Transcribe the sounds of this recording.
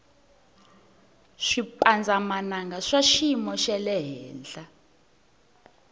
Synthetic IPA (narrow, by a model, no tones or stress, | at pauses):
ʂipʼand͡zʱamanaŋɡaʂaʃimɔʃɛlɛɦɛːnd͡ɮa